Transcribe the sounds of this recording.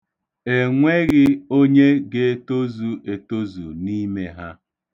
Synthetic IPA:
e˨ŋʷe˦ɾɪ˦o˦ɲe˦ɡe˦to˦zu˨e˨to˦zṵ˨ni˦me˦ɦa˦

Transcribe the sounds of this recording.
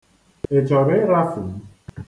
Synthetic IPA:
e˨t͡ʃɔ˨ɾe˦ɾa˦fu˨m˦

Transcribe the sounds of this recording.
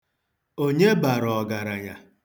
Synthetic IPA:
o˦ɲe˦ba˨ɾɔ˨ɡa˨ɾa˨ɲa̰˨

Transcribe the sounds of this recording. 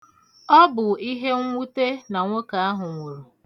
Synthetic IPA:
ɔ˦bʊ˨i˦ɦe˦ŋʷu˦te˦na˨ŋʷo˦ka˨a˦ɦʊ˨ŋʷo˨ɾo˨

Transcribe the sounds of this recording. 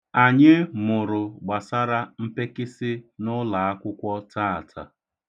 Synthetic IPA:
a˨ɲɪ˦mʊ˨ɾʊ˨ɡ͡ba˨sa˦ɾa˦m̩˦pe˦kɪ˦sɪ˦nʊ˦la˨a˦kʷʊ˦kʷɔ˦ta˦a˨tʰa̰˨

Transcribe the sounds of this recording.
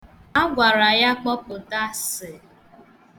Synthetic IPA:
a˦ɡʷa˨ɾa˨ja˦k͡pɔ˦pʊ˨ta˦sɪ˨

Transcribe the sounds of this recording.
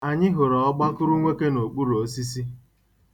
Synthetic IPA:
a˨ɲɪ˦ɦʊ˨ɾɔ˨ɔ˦ɡ͡ba˦kʊ˦ɾu˦ŋʷe˦ke˦no˨k͡pu˦ɾo˨si˦s̬i˦

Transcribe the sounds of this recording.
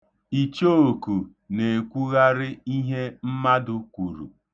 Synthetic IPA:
i˨t͡ʃo˦o˨ku˨ | ne˨kʷu˦ɣa˦ɾɪ˦i˦ɦe˦m̩˦ma˦dʊ˦kʷu˨ɾṵ˨

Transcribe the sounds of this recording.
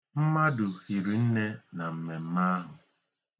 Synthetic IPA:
m̩˦ma˦dʊ˨xi˨ɾi˨n̩˦ne˦na˨m̩˨me˨m̩˦ma˦a˦ɦʊ˨

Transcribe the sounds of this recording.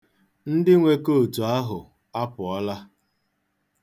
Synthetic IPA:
n̩˦dɪ˦ŋʷe˨ko˦˨tu˨a˦ɦʊ˨ | a˦pʊ˨ɔ˦la˦

